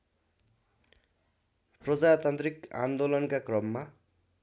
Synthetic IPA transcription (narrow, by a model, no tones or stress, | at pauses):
prʌd͡zat̪ant̪rika̰nd̪olʌnkakrʌmːa